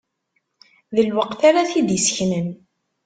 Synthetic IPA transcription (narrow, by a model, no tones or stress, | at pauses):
ðəlwəqθaɾaθid̪jəsçnən